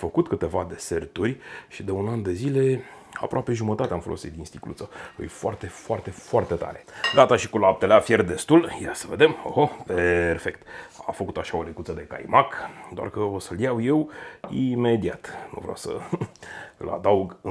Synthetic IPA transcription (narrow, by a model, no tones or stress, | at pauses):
fəkut̪kɨt̪e̞vad̪e̞sert̪urʲʃid̪e̞unand̪e̞zile̞ | a̰pɾoʔape̞ʒumət̪at̪eamfolʔo̞̰sit̪̚d̪inst̪iklut̪səɨ̰jfoart̪e̞foart̪e̞foart̪e̞t̪a̰ɾe̞ɡat̪aʃikulap̚t̪eleafjerd̪e̞st̪uljasəve̞d̪emo̰hoperfe̞kt̪a̰fəkut̪aʃao̞lekut̪səd̪e̞ka̰jmakd̪oa̰rkəosəljawje̞wime̞d̪iat̪nṵvɾa̰wsə̰ | ɨla̰d̪auɡ